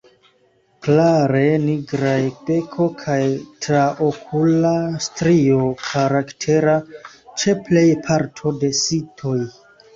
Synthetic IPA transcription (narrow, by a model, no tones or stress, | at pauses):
klaɾe̞niɡɾajpe̞kʰo̞kʰajtɾaʔokʰulastɾiokʰaɾaktʰe̞ɾa | t͡ʃe̞ple̞jpʰaɾtʰo̞de̞sitʰo̞j